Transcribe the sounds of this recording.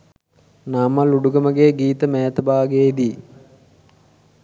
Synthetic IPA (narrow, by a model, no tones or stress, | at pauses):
namɐluɖuɡəməɡeːɡiːt̪əmæːt̪əbaːɡeid̪i